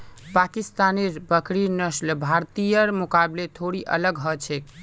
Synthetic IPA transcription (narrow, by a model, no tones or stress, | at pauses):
pakist̪aneɾbəkɾinəslbʱaɾt̪ijəɾmukablet̪ʰoɽiʔə̰ləɡɦɔt͡ʃʰɛk